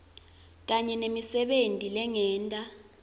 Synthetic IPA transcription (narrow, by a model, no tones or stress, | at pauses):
k̬aɲɛnemisɛɓentʼilɛŋɛːntʼa